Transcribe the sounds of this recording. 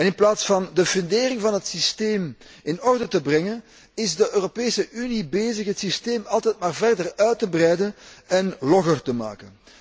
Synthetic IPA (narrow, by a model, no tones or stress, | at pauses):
ɛnɪnplaːtsfɑndəfʏndeːrɪŋvɑnɦətsisteːmɪnɔrdətəbrɛŋən | ɪzdəʔøːropeːsəʔynibeːzəxɦətsisteːmɑlˠtɛjt̚maːrvɛrdərœɥtəbrɛjdənɛnlɔxərtəma̰ːkən